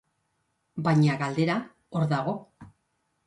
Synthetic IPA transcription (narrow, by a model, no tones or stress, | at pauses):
bajɲaɣald̪e̞ɾa | oɾðaɣ̞o̞